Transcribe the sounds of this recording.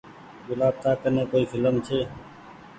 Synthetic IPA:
ɡʊlaːb̚t̪aːkəneːkoːiːfʰɪləmt͡ʃʰeː

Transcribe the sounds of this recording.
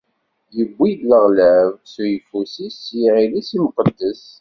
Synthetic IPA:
jəbʷːidləʁlævsjəfusisiʕilisimqəd̪ːəs

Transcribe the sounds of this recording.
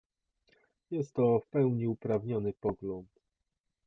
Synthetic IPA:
jɛst̪ːɔfpɛwɲiupɾavɲɔnɘpɔɡlɔnt̪

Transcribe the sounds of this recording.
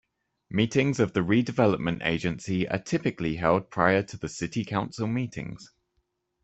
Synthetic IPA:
miˑtɪ̃ŋzəvðəɹiːdɪvɛləp̚mə̃ntḛɪd͡ʒə̃nsiə̰tʰɪpɪkliɦɛlˠd̚pʰɹ̥aɪətʰəðəsɪtɪkʰãʊ̃nsɪlˠmiˑtʰɪ̰̃ŋz̥

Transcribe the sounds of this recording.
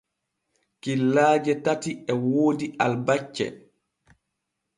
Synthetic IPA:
kilːaːd͡ʒɛtatiɛwoːdialbat͡ʃːɛ̰

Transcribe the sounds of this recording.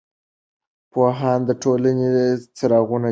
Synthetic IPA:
poɦɑnd̪əʈolanet͡saɾɑɣuna

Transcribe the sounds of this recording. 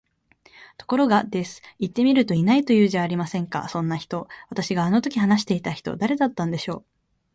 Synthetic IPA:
t̪o̞̥ko̞ɾo̞ɡad̪e̞sɨ̥it̪ːe̞mʲiɾɯ̟t̪o̞inait̪o̞jɯ̟ːʑaːɾʲimasẽ̞ŋka̰sõ̞nːaçi̥t̪o̞β̞at̪aɕiɡaːno̞t̪o̞kʲiɦanaɕi̥t̪e̞it̪açi̥t̪o̞̰d̪aɾe̞d̪at̪ːãnd̪e̞ɕo̞ː

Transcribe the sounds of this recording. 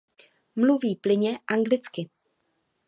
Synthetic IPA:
mluviːplɪɲɛʔaŋɡlɪt͡skɪ

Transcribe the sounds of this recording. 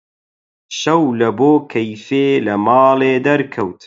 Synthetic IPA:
ʃɐwlɐboːkʰɐjfeːlɐmɑːleːd̪ɐɾkʰɐwt̪

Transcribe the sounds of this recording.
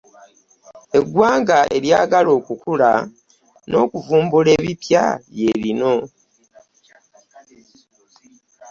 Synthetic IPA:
e̞ɡwaːŋɡae̞̰ɾjaːɡalo̞ːkukula | no̞ːkuvuːmbule̞ːβipja̰βje̞ɾino̞

